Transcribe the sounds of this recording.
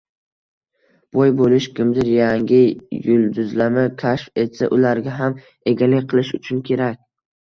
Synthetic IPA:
b̥ojbolɪʃkʲɪmd̪ɪɾjaŋɡʲɪjʊlˠd̪ʊzlamɪkʲʰaʃfe̞t̪sa̰ʔʊlaɾɡʲaɦam | e̞ɡʲalɪkʲqʰɨlˠɪʃʊt͡ʃʰʊnkʲʰe̞ɾakʲ

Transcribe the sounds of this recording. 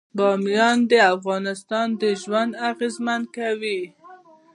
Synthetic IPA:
bɑmijɑnd̪əafɣɑnɪst̪ɑnd̪əʒwand̪aɣezmand̪̚kawi

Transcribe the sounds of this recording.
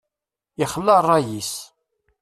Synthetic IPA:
iχəlːərˤːɑjis

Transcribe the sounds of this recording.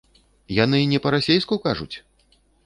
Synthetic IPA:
janɨnʲɛpɐɾasʲejskukaʐṵt͡sʲ

